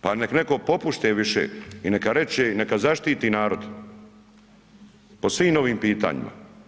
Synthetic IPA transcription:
panekneko̞po̞puʃt̪eːʋiʃḛinekaɾe̞t͡ʃeːinekazaʃt̪iːt̪iːnaːɾo̞d̪ | po̞sʋiːmo̞ʋiːmpiːt̪a̰ːɲḭma̰

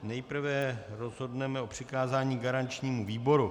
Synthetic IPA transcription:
nɛjpɾ̩vɛɾo̞zɦo̞dnɛmɛo̞pr̝̥ɪkaːzaːɲiːɡaɾant͡ʃɲiːmuviːbo̞ɾu

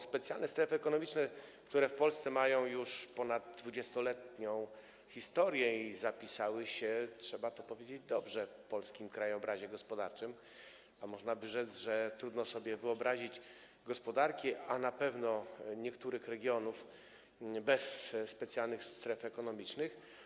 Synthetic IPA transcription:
spɛt̪sʲjalnɛst̪ɾɛfɘɛkɔnɔmʲit͡ʂnɛkt̪uɾɛfpɔlst̪sɛmajɔ̃w̃juʂpɔnad̪d̪vud͡ʑɛst̪ɔlɛt̪ɲɔ̃w̃ | xʲist̪ɔɾjɛizapʲisawɘɕɛtʂɛbat̪ɔpɔvjed͡ʑed͡ʑd̪ɔbʐɛfpɔlskʲimkɾajɔbɾaʑɛɡɔspɔd̪a̰ɾt͡ʂɘm | amɔʐnabɘʐɛzʐɛt̪ɾud̪nɔsɔbʲjɛvɘɔbɾaʑit͡ɕ | ɡɔspɔd̪aɾkʲianapɛvnɔɲɛkt̪uɾɘxɾɛɡʲjɔnuf | bɛsːpɛt̪sjalnɘxst̪ɾɛfɛkɔnɔmʲit͡ʂnɘx

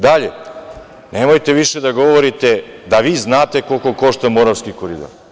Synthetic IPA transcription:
d̪aʎe | nemojt̪e̞ʋiʃed̪aɡo̞ʋoɾit̪ed̪aʋiːznaːt̪e̞ko̞lko̞ko̞ʃt̪amoɾaʋskikoɾid̪o̰ɾ

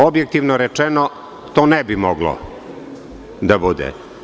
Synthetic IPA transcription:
objek̚t̪iʋnoɾet͡ʂɛno | t̪oːnɛbimoɡlo̰ | d̪abud̪ɛ̰

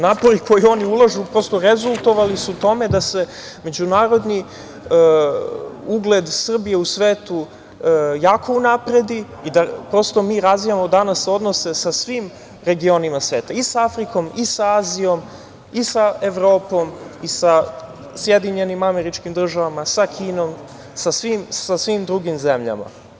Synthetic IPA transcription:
naːpo̞ɾikʰo̞jio̞niulˠaʒupɾo̞st̪o̞ɾe̞zulˠt̪o̞ʋalisut̪o̞me̞d̪ase̞ | me̞d͡ʑunaːɾo̞d̪ni | uɡle̞d̪sr̩bije̞usʋeːt̪u | jaːkʰo̞unapɾe̞d̪i | id̪apɾo̞st̪o̞miːɾazʋijamo̞d̪anaso̞d̪no̞se̞sasʋiːm | ɾe̞ɡio̞nimasʋe̞ːt̪aisaafɾiko̞misaaːzijo̞m | isae̞ʋɾo̞ːpo̞misa | sjed̪iɲe̞nimame̞ɾit͡ʃkimd̪r̩ʒaʋamasakʰiːno̞m | sasʋimsasʋimd̪ɾuɡimze̞mʎa̰ma̰

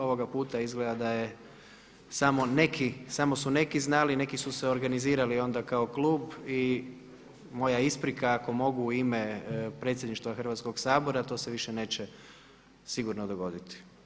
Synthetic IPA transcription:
o̞ʋo̞ɡapuːt̪aizɡled̪ad̪aje | samo̞ne̞kʰisamo̞sune̞kiznaline̞kisuseo̞ɾɡaniziːɾalio̞nd̪akao̞kluːbi | mo̞jaispɾikaːko̞mo̞ɡuimepɾet̪sjed̪niʃt̪ʋaxr̩ʋat̪sko̞ɡsaːboɾat̪o̞ːseʋiʃene̞ːt͡ɕe | siɡuɾnod̪oɡo̞d̪it̪i̥

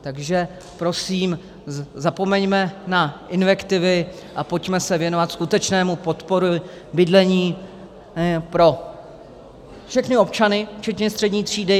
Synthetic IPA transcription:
t̪aɡʒɛ | pɾo̞siːm | zapo̞mɛɲmɛnaʔɪnvɛkt̪ɪvɪ | ʔapocmɛsɛvjɛno̞vat̪skut̪ɛt͡ʃnɛːmupo̞t̪po̞ɾʊ | bɪdlɛɲiː | pɾo̞ | fʃɛxnɪo̞pt͡ʃanɪft͡ʃɛt̪ɲɛst̪r̥ɛdɲiːt̪r̝̥iːdɪ

